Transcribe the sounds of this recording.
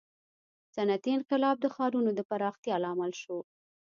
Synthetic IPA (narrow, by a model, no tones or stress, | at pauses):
sanat̪inqɪlɑb̚d̪əxɑɾunod̪əpaɾɑxt̪jɑlɑːmalʃo